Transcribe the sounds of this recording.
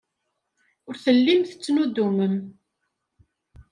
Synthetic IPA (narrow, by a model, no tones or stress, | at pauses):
ʊɾθəlːimθə̥t͡sːnud̪uməm